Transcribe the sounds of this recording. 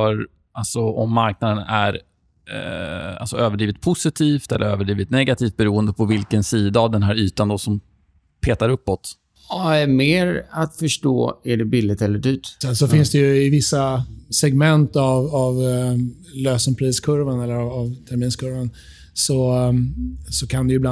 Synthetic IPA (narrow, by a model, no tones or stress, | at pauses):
œɾ | ʔalsɔɔmːaɾk̚nad̪ənæ̰ɾ | a̰lsɔøːvəɖɾiːvɪt̪̚pʰʊsɪt̪ʰiːft̪ɛlːʔə̰ɾø̰ːvəɖɾiːvɪt̪nɛɡat̪ʰiːft̪̚bɛɾuːənd̪əpʰɔvɪlkənsiːd̪aːvd̪ɛnɦæːɾyːt̪and̪ɔsɔm | pʰeːt̪aɾɵpːɔt̪ | ɑæmeːɾat̪fœʂʈo̰ːæɖɛbɪlːɪt̪ɛlːəɖyːt̪sɛnsɔfɪnsd̪ɛjɵɪvɪsːasɛɡmɛnt̪avav | løːsɔŋpʰɾiːskʰɵɾvanɛlːəɾavːvt̪ʰæɾmiːnskʰɵɾvan | sɔ | sɔkʰand̪ɛjʏbla